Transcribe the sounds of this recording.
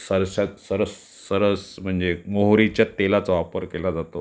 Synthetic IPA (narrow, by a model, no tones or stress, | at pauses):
səɾɕat̪səɾəsː | əɾəsm̤əɳd͡zemoɦɾit͡ɕjat̪elat͡sʋapəɾkelad͡zat̪o